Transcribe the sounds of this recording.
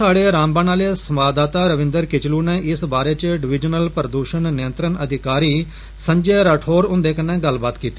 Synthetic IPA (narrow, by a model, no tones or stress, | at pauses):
aːɽeːɾãːmbãːnaːleːsəmaːbd̪aːt̪aːɾəʋɪ̃nd̪əɾkɪt͡ʃluːneːʔɪsbaːɾeːt͡ʃəɖɪʋɪd͡ʒnəlpəɾd̪uːʃənːɪjənt̪ɾənəd̪ʱɪkaːɾiː | sə̃ɲd͡ʒeːɾəːʈʰoːɾʊ̃nd̪eːkənːeːɡəlbaːt̪kiːt̪ːi